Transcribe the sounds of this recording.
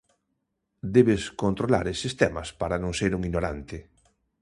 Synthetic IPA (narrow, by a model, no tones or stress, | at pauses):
d̪eβeskont̪ɾola̰ɾesːist̪ɛmɐspaɾanõŋseɾuŋinoɾa̰nt̪ɪ